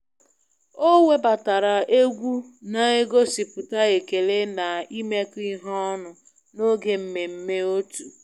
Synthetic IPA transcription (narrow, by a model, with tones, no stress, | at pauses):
o˦we˦ba˨ta˨ɾa˨ʔe˦ɡʷu˦na˨e˦ɡo˦si˨pʊ˨ta˦e˨ke˨le˦na˨i˦me˦ki˦ɦɔ˦nʊ˨ | no˦ɡe˨m̩˦me˨m̩˦me˦o˦tu˨